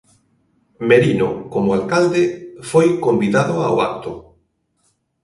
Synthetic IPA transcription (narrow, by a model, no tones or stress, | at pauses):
meɾinokomʊalkald̪ɪfojkombiðaðʊaoa̰k̚t̪ʊ